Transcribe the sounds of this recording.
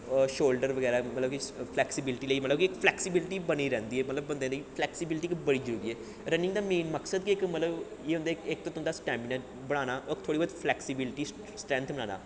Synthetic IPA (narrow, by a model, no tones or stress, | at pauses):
ʃoːlɖəɾʋəɡɛːɾamət̪ləbkipʰlɛːksɪbɪlʈiːləiːmət̪ləbkiɪkpʰlɛːksɪbɪlɪʈiːbəniɾɛ̃ːnd̪iːɛːmət̪ləbːənd̪ẽːnd̪ipʰlɛːksɪbɪlʈiːkbəɽiːd͡ʒəɾuːɾiːɛː | ɾənɪ̃ŋɡd̪aːmeːnməksəd̪kiɪkmət̪ləbjeːɦʊ̃nd̪aːkɪk̚t̪õːt̪ʊnd̪aːsʈɛ̃ːmbɪnɛː | bəɽ̃aːnaːʔɔːɪkt̪ʰoːɽiːaːd̪pʰlɛːksɪbɪlɪʈiː | sʈɾɛ̃ːnt̪ʰbənaːna̰ː